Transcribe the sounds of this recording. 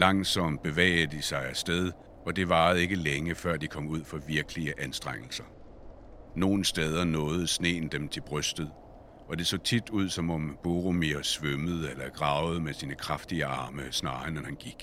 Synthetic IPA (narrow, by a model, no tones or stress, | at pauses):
lɑ̈ŋsɒ̽m̰d̥̚b̥e̝ʋɛ̰ːɪd̥isɑ̈ɪæsd̥eð̞ˠ | ɒ̽d̥e̝ʋɑ̈ːð̩ˠe̝ɡ̥əleŋəfɶɐ̰d̥ikʰɒ̽m̰uð̰ˠfɒ̽ʋiɐɡ̥əliəʔænsd̥ʁaŋ̰l̩sɐ | no̝ːn̩sd̥eːð̞ˠɐnɔ̽ːð̞̩ˠsne̝̰ːn̩d̥emt͡sʰe̝b̥ʁœsd̥ð̩ˠ | ɒ̽d̥e̝sɔ̰̽ːt͡sʰid̥uð̞̰ˠsɒ̽mɒ̽mb̥oʁomiɐsʋøməð̞̩ˠelɐɡ̥ʁɑ̈ːʊð̞̩ˠmesiːnəkʰʁɑfd̥iəɑ̈ːməsnɑ̈ːɐnenhænɡ̥iɡ̥